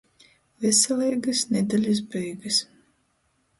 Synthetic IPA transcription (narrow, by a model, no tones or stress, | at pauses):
vɛsɛlˠɛjɡɐsnʲɛd̪alʲis̬bɛjɡɨs